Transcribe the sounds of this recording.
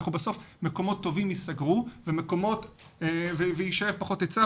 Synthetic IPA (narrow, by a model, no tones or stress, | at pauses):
χnubaso̞fmeko̞mo̞t̪ːo̞vimjisaɡʁuvemeko̞mo̞t | vevejiʃajevpaχo̞t̪jet͡sa